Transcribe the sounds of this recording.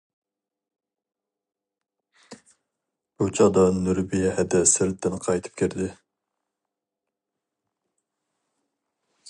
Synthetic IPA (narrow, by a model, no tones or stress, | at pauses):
b̥ut͡ʃʰɑd̪ɑnyɾbijɛhɛd̪ɛsɪɾt̪ʰːɪnqʰɑjt̪ʰɨ̥p̚kʲʰiɾd̪ɪ